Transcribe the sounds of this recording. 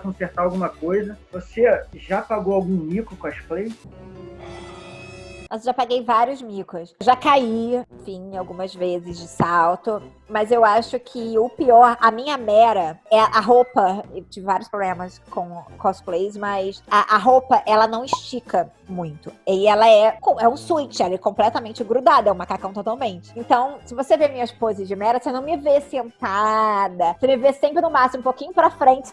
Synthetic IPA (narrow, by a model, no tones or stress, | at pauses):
kõseɾt̪aɾawɡũmɐkojzɐvoseʒapaɡowawɡũmikʊkɔʃplej | nɔzʒapaɡejvaɾjʊzmikɾʊsʒakaiẽfĩawɡũmɐzvezɪzd͡ʒɪsawt̪ʊ | mɐzewaʃʊkʲʰɪʊpiɔɾɐmĩɲɐmɛɾɐɛʔɐɦopɐewt͡ʃivɪvaɾjʊspɾoblẽmɐskõw̃kɔsplejsmɐsaʔɐɦopɐʔɛlɐnɐ̃w̃ɪʃt͡ʃikʰɐ | mũj̃t̪ʊeɛlɐɛkõɛũsuit͡ʃɪɛlɐɛkõmplɛt̪ɐmẽnt͡ʃɪɡɾud̪ad̪ɐɛũmakakɐ̃w̃t̪ot̪awmẽnt͡ʃɪ̥ẽnt̪ɐ̃w̃sɪvosevemĩɲɐspozɪzd͡ʒɪmɛɾɐsenɐ̃w̃mɪvesẽnt̪ad̪ɐsemɪvesẽpɾɪnʊmasĩmʊ̃pokĩɲʊpɾɐfɾẽnt͡ʃɪ̥